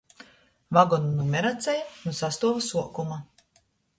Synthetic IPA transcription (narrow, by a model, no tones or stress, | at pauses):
vaɡɔnunumɛɾat̪sʲajanusast̪uɔvasuɔkuma